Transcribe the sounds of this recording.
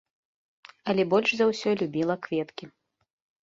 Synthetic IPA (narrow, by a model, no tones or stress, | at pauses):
ɐlʲɛbɔlʲʂzɐwsʲɔlʲubʲilˠɐkvʲɛt̪kʲi